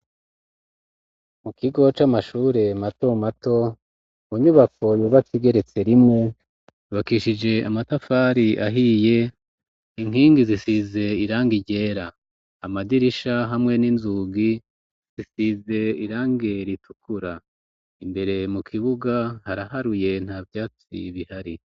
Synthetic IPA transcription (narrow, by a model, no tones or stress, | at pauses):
mukiɡo̞t͡ʃamaʃuːɾe̞matomato̞ | muɲuβako̞juːβat͡siɡe̞ɾe̞t͡se̞ɾimŋe̞ | juβakiʃid͡ʒe̞amatafaːɾiʔaɦije̞ | iŋ̥ɦiːŋɡizisize̞iɾaːŋɡiɟe̞ːɾaː | madiɾiʃaɦamŋe̞ninzuːɡi | z̥isize̞iɾaːŋɡeɾitu̥kuɾa | imbe̞ɾe̞mukʰiβuɡahaɾaɦaɾuje̞n̥haːvjaːt͡sḭβihaɾi